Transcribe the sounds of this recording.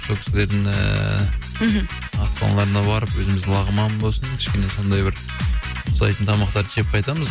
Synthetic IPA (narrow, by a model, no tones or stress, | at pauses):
sokʲɪ̥sɪle̞ɾd̪ɪŋə̰ | ɑspɑ̰nlˠɑɾənɑbɑɾəpwɵzɪmɪzd̪ɪlˠɑʁəmɑmbo̞lˠsənkʲʰɪ̥ʃkʲe̞ne̞so̞nd̪ɑjbɪɾʰ | ʊslˠɑjt̪ənt̪ʰɑmɑqt̪ɑɾd̪əʒep̚qʰɑjt̪ɑməz